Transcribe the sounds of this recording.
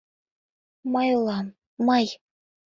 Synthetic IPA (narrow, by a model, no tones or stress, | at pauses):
mɑjulˠɑ | mɑj